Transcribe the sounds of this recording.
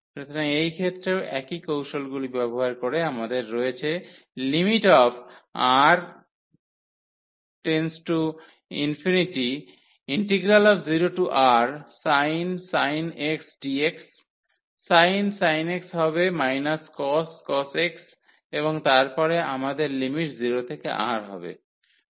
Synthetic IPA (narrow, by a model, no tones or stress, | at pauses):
pɾot̪ʰomeejkʰet̪ːɾeoʔɛkikowʃolɡulibɛboɦaɾkoɾeamad̪eɾːɔet͡ɕʰe | limiʈɔbʰaɾ | ʈensʈu | ḭnfiniʈi | iɳʈeɡɾalɔbziɾoʈuʔaɾsajnsajneksɖieksː | ajnsajneksɦɔbemajnaskɔskɔseks | eβoŋt̪aɾpɔɾeamad̪eɾlimiʈziɾot̪ʰekḛʔa̰ɾɦɔbḛ